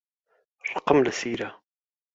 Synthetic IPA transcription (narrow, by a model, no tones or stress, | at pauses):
rˤːəqːəmlæsiɾæ